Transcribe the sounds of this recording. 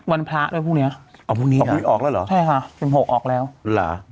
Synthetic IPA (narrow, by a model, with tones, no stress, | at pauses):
wa˧npʰla˦˥du˥˩˨jʰpʰu˥˩ni˦˥ɐʔʔa˧˩pʰuː˥˩ŋniː˦˥˨i˦˧˥ʔɔː˨˩k̚lɛː˦˧˥wlɔ̰˨˦t͡ɕʰa˥˩jkʰa˥˩pe˨˩mho˨˩k̚ʔɔː˨˩k̚lɛː˦˥wla̰ː˩˦